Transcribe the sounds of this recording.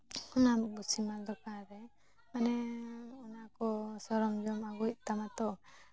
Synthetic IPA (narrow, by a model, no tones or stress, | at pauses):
unabusimalɔkaɾɛ | manɛunakɔsɔɾɔmd͡ʒɔmaɡuc̚t̪amat̪ɔ